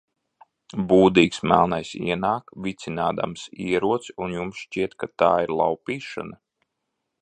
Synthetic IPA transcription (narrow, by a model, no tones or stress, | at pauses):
buːd̪iːksmæ̰lˠnajsḭɛnaːkvit̪sinaːd̪a̰msiɛɾuɔt̪sunjumsʃt͡ʃiɛt̪kat̪aːiɾlˠa̰wpiːʃa̰na